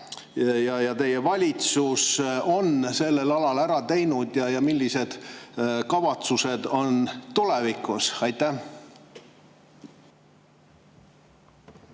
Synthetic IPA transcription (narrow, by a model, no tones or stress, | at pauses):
jɑjɑt̪e̞je̞vɑlʲit̪suso̞nse̞lːe̞lɑlɑlæɾɑt̪e̞jnud̪̥jɑjɑmilʲːise̞d̪̥kɑvɑt̪suse̞d̪̥o̞nt̪ulevikːˑusɑjt̪ːæh